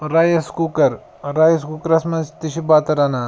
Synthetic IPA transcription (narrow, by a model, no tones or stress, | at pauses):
ɾajɐskukɐɾ | ɾajɐskukɐɾɐsmɐzt̪iɕibat̪ɐɾana